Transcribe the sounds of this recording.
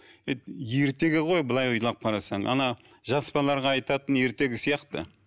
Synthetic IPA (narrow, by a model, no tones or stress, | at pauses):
et̪je̞ɾt̪e̞ɡʲɪʁo̞jbəlˠɑjʊjlˠɑp̚qʰɑɾɑsɑɴɑ̰nɑ | ʒɑspɑlˠɑɾʁɑːjt̪ɑt̪ənje̞ɾt̪e̞ɡʲɪsijɑqt̪ə̰